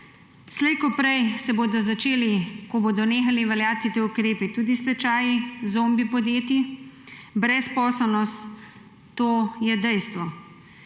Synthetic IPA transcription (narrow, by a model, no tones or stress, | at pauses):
slɛjkɔpɾɛjsɛboːd̪ɔzat͡ʃeːlikɔboːd̪ɔneːxaliʋɛljaːt̪it̪eːukɾeːpit̪uːd̪ist̪ɛt͡ʃaːjizombipɔd̪jeːt̪i | bɾɛspɔːsɛlnɔst̪ː | oːjɛd̪ɛjst̪ʋɔ